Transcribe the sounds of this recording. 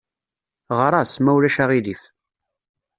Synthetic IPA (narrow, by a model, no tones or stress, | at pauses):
ʁɾˤɑsmæwlæʃæʁiðiθ